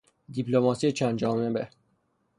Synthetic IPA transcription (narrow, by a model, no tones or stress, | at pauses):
d̪ipʰlomɒːsijet͡ʃʰænd͡ʒɒːmebe